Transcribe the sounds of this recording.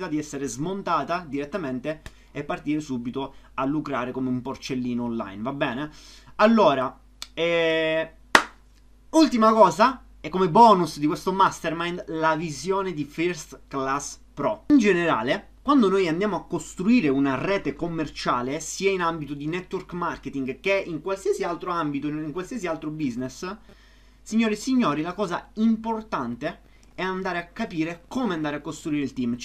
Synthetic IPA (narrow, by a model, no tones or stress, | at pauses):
t̪ad̪iɛsːeɾezmont̪aːt̪ad̪iɾet̪ːament̪eː | pːart̪iːɾesubit̪oalːukɾaːɾekomeumport͡ʃelːiːnoonla̰jnvabːɛːne | alːoːɾa | ɛ | ult̪imakɔːza | ɛkːomebɔːnusd̪ikwest̪omast̪ermajnlavizjoːned̪ifiɾst̪klaspɾɔind͡ʒeneɾa̰ːle | kwand̪onojand̪jaːmoakːost̪ɾuiːɾeunarɛːt̪ekomːert͡ʃaːlesiːainambit̪od̪inɛt̪ːworkmarket̪iŋɡk̟eʔiŋkwalsiazialt̪ɾoambit̪oiŋkwalsiazialt̪ɾobiznes | siɲːoːɾisiɲːoːɾilakɔːza̰import̪ant̪e | ɛand̪aːɾeakːapiːɾekoːmeand̪aːɾeakːost̪ɾuiːɾeilt̪im